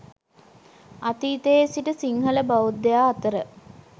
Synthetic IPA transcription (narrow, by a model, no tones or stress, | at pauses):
at̪iːt̪eesiʈəsiŋɦələbawud̪ːejaːt̪əɾə